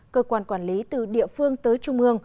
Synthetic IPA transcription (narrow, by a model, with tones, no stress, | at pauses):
kəː˧kwaː˧˩nkwaː˧˩nli˨˦t̪ɨ˧˩ɗḭ˧˨əfɨ˧əŋt̪əː˨˦jt͡ɕʊ˧ŋ͡mʔɨ˧əŋ